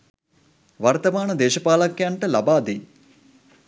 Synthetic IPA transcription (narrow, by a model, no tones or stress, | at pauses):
ʋɐɾt̪ɐmaːɳɐd̪eːʃɐpaːlɐkjaːɳʈəlɐbaːd̪i